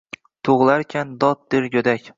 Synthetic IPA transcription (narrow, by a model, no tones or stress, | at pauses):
t̪ʰoʁlˠaɾkʲʰand̪ɒt̪̚d̪ɪɾɡʲɵd̪akʲ